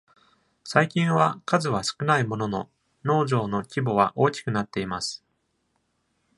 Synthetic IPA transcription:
saikʲĩɰ̃βakazɨβasɨ̥kɯ̟naimo̞no̞no̞̰ | no̞ːʑo̞ːno̞kʲibo̞βaʔo̞ːkʲi̥kɯ̟nat̪ːe̞imasɨ̥

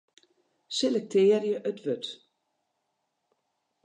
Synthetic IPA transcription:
sɛlɛk̚t̪eːɾjəʔœt̪vʏt̪

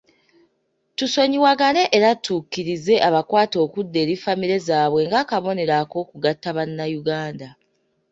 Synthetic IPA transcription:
tuso̞ɲiwaɡane̞ʔeɾatuːkːiɾize̞ʔaβakwaːto̞ːkudːe̞ːɾifamiɾe̞zaːβwe̞ŋɡakaβo̞ne̞ɾako̞ːkuɡatːaβanːajuɡaːnda

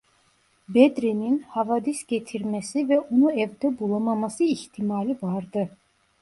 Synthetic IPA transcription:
bed̪ɾininhavad̪isɟet̪ʰiɾmɛsivɛonuɛvd̪ɛbulˠamamasɯiçt̪ʰimalʲivaɾd̪ɯ

